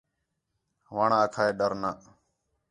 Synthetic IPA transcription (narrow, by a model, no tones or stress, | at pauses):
ʋaːɳãːəkʰaːeːɖəɾnaː